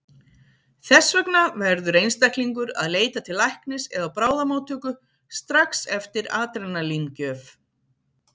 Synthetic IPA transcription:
θɛsːvœknavɛɾðʏɾejnst̪ajhk̪liŋkʏɾa̰ðleːjt̪at̪ʰɪlːajhknɪsɛðawpɾaːwðamoːwt̪ʰʏkʏ | st̪ɾaksɛft̪ɪɾaːt̪ɾɛnːalincœːf

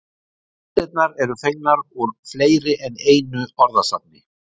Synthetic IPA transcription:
t̪ɛt̪̚naɾɛɾʏfek̚naɾuɾfleːjɾɪʔɛneːjnʏɔɾðasap̚nɪ

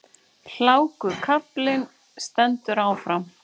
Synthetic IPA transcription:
l̥aːwkʏkʰaplɪn | st̪ɛnt̪ʏɾawfɾam

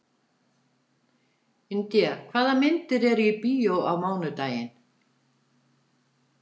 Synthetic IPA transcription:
ɪnt̪jakʰvaːðamɪnt̪ɪɾɛɾʏipiːjowawmaːwnʏt̪aːjɪn

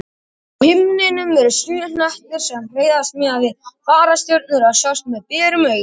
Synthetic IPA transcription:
hɪmnɪnʏmvɛɾʏ̥syːnaht̪ʏɾ̥sɛmr̥eːjðast̪mɛavɪfaːɾast̪jœɾt̪̚nʏɾaðsjawst̪mɛðpɛːɾʏmœːɥ

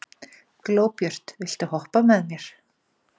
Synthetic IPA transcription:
klowpjœr̥t̪ɪɬt̪ɪhɔhpamɛðmjɛɾ̥

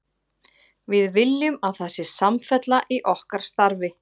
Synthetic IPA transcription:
vɪðvɪljʏmaðθɛsɪ̥samfɛt̪laʔiʔɔhkaɾ̥st̪aɾvɪ

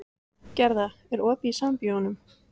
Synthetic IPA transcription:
cɛɾðaɛɾɔːpisampjɔnʏm

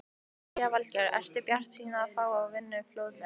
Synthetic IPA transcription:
avalcɛɾɛ̰st̪ɪpjar̥t̪siːnaːðfaːwaːwvɪnːʏflowt̪lɪ

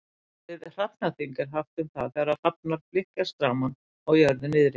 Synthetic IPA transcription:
vɪðr̥apnaθiŋkɪɾ̥ɦaft̪ʏmθaðθɛɾar̥ap̚naɾflɪhcast̪ɾaːman | ɔɣjœɾðɪnɪðɾɪ

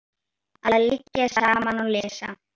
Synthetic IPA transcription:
aðalɪcːasaːmanɔlɛːsa̰

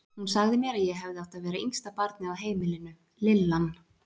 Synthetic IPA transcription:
hunsaɣðɪmjɛːɾaðjɛɦɛvðɪaht̪aðvɛːɾaiŋst̪apaɾt̪nɪaðɦeːjmɪlɪnʏ | lɪlːan

